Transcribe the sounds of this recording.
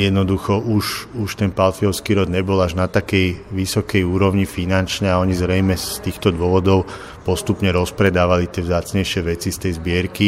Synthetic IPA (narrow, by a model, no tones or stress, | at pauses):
jɛd̪nɔd̪uxɔʔuʃuʃt̪ɛnpalfiɔʊskiːɾɔd̪ɲɛbɔlaʒnat̪akɛjʋisɔkɛjuːɾɔʊɲifinant͡ʃɲɛaɔɲizɾɛjmɛst̪iːxt̪ɔd̪ʊɔʋɔd̪ɔʊ | pɔst̪upɲɛɾɔspɾɛd̪aːʋalit̪ɪɛvzaːt͡sɲɛjʃɪɛʋɛt͡sist̪ɛjzbɪɛɾki